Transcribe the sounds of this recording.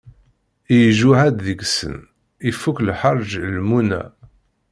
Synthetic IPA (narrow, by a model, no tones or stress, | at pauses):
ijʒuʕæd̪ðəɡsə̰n | ifuklħəɾˤʒlmunæ̰